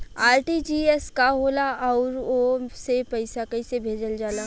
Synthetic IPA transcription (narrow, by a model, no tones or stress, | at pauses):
aːɾʈid͡ʒiːɛskaɦoːlaɔːʊɾosepɐɪsakɐɪsebʱeːd͡ʒəld͡ʒaːlaː